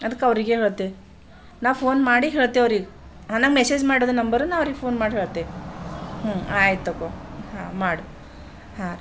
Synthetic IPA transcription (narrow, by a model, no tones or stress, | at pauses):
ɐd̪ɐkːɐʋɾiɡeːɦeːɭt̪ːe | naːʋpʰoːnmaːɽiɦeːɭt̪ːeɐʋɾiɡɐ | ɦanaːŋɡmeseːd͡ʒmaːɽiɾod̪ɐnɐmbɐɾunaːʋɐʋɾiɡepʰoːnmaːɽiɦeːɭt̪e | ɦũaːjt̪ːɐkoɦaːmaːɽu | ha